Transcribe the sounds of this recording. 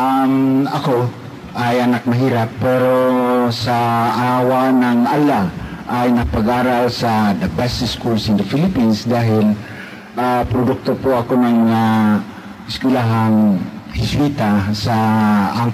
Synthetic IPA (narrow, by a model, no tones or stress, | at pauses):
amako | ʔajanak̚maɦiːɾapːɛɾosaʔawanaŋalaʔajnapaɡaːɾalsad̪abɛsɪskulsɪnd̪afilɪpinsd̪aɦɪl | apɾʊd̪ʊk̚t̪opoakonaŋa | ɪskwɪlaɦanhɪswit̪asaːŋ